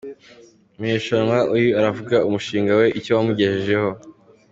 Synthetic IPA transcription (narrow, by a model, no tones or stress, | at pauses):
umɲeːʃanwaʔujiaɾavuɡaumuʃiːŋɡawe̞ʔicowamuɟe̞heʒe̞ho̞